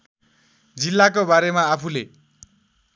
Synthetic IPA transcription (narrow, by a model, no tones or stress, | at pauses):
d͡zilːakobaɾemaːpʰule